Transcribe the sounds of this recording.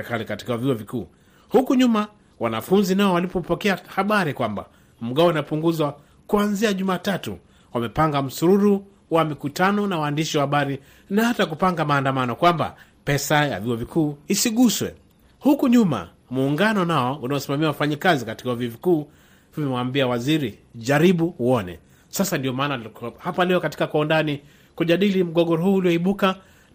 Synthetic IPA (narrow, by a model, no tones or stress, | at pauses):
ɛkalikati̥kaviɔvikṵː | hukuɲuma | wanafunzinaɔwalipɔpɔkɛahaɓaɾikwamba̰ | m̩ɠaɔinapuŋɡuzwa | kuanziaʄumaːtatṵ | wamɛpaŋɡam̩suɾuɾu | wamikutanɔnawaːndiʃiwahaɓaɾi | nahatak̬upaŋɡamaːndamanɔkwamba̰pɛsaja̰viɔvikuːisiɠuswɛ̰ | hukuɲuma̰ | muːŋɡanɔnaɔunaɔsimamiwawafaɲikazikati̥kavivikuː | vimɛwaːmbiawaziɾiʄaɾiɓuuɔnɛ̰ | sasandijɔmaːnahapalɛɔkatikakwaːndani | kuʄaɗilim̩ɠɔɠɔɾɔɦuːliɔiɓuka